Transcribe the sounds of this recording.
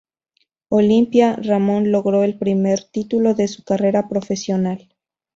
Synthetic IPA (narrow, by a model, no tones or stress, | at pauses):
o̞limpjaramõ̞nlo̞ɣɾo̞e̞lpɾime̞ɾt̪it̪ulo̞ðe̞sukare̞ɾapɾofe̞sjo̞nal